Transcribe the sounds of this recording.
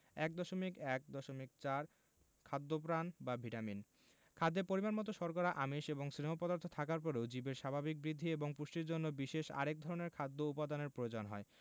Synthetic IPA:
ɛk̚d̪ɔʃomikɛk̚d̪ɔʃomik̚t͡ɕaɾ | kʰad̪ːop̬ɾanbabʱiʈamin | kʰad̪ːeɾpoɾimanmɔt̪oʃɔɾkɔɾaʔamiʃeboŋsɾinamopɔd̪aɾt̪ʰot̪ʰakaɾpɔɾewd͡ʑibeɾʃabʱabik̚bɾid̪ʱːieboŋpuʃʈiɾd͡ʑonːobiʃeʃa̰ɾek̚d̪ʱɔɾoneɾkʰad̪ːoupad̪aneɾpɾojod͡ʑonɦɔ̰e

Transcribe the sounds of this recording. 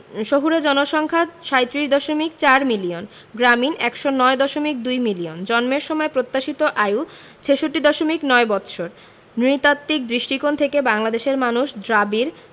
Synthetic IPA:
ʃoɦuɾed͡ʑɔnoʃɔŋkʰaʃajt̪ːɾiʃd̪ɔʃomikt͡ɕaɾmilion | ɡɾaminɛkʃonɔed̪ɔʃomik̚d̪ujmiliond͡ʑɔnmeɾʃɔmɔepɾot̪ːaʃit̪oʔaju | t͡ɕʰeʃoʈːid̪ɔʃomiknɔebɔt̪ɕʰoɾ | nɾit̪at̪ːik̚d̪ɾiʃʈikont̪ʰekebaŋlad̪eʃeɾmanuʃd̪ɾabiɾ

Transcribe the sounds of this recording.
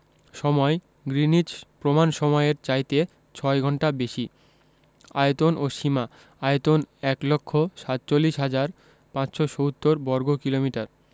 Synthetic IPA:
ʃɔmɔe | ɡɾinid͡ʑpɾomanʃɔmɔeɾt͡ɕajt̪e | t͡ɕʰɔeɡʱɔɳʈabeʃi | a̰jet̪onʔoʃima | ajot̪onɛklokʰːoʃat̪̚t͡ɕolːiʃɦad͡ʑaɾ | pãt͡ɕʃoʃowt̪ːoɾbɔɾɡokilomiʈaɾ

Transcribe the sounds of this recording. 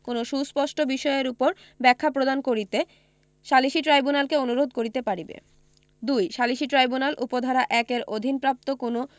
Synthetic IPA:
konoʃuspɔʃʈʰobiʃɔeeɾupoɾ | bɛkʰːapɾod̪ankoɾit̪e | ʃaliʃiʈɾajbunalkeonuɾod̪̚koɾit̪epaɽibḛ | d̪ujʃaliʃiʈɾajbunalʔupod̪ʱaɾaʔɛkeɾod̪ʱinpɾap̚t̪okono

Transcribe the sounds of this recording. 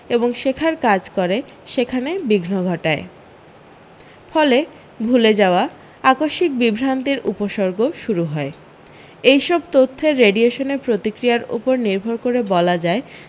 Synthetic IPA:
eboŋʃekʰaɾkad͡ʑkoɾe | ʃekʰanebiɡʱnoɡʱɔʈae | fɔle | bʱuled͡ʑaoa | akoʃik̚bibʱɾant̪iɾʔupoʃoɾɡoʃuɾuɦɔe | ejʃɔbt̪ot̪ʰːeɾːeɖieʃoneɾpɾot̪ikɾijaɾṵpoɾniɾbʱoɾkoɾebɔlad͡ʑae

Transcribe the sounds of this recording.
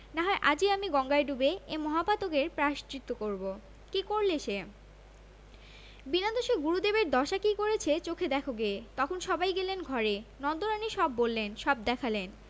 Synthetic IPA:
naɦɔeʔad͡ʑiamiɡɔŋɡaeɖubeemɔɦapat̪oɡeɾpɾaʃtɾit̪ːokoɾbo | kikoɾleʃe | binad̪oʃeɡuɾud̪ebeɾd̪ɔʃakikoɾet͡ɕʰet͡ɕokʰed̪ɛkʰoɡet̪ɔkʰonʃɔbajɡelenɡʱɔɾenɔnd̪oɾaniʃɔbːolːenʃɔb̚d̪ɛkʰalen

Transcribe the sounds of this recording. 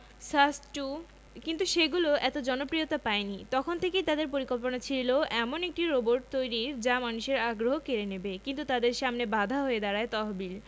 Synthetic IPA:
sasʈu | kint̪uʃeɡuloʔɛt̪od͡ʑɔnopɾijot̪apaenit̪ɔkʰont̪ʰekejt̪ad̪eɾp̬oɾikolponat͡ɕʰiloʔɛmonek̚ʈiɾoboɾʈ̚t̪ojɾiɾd͡ʑamanuʃeɾaɡɾoɦokeɾenebekint̪̬ut̪ad̪eɾʃamnebad̪ʱaɦoed̪aɾaet̪ɔɦbil

